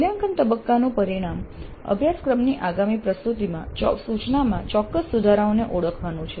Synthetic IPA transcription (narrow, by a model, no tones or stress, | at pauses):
ljaŋkənt̪əbəkːanũpəɾiɽ̃am | ə̰bʱjaskɾəmniʔaɡamipɾəst̪ut̪imã̰t͡ʃɔ̰sut͡ʃnamãt͡ʃɔkːəssud̪ʱaɾaoneʔoɽəkʰʋanũt͡ʃʰe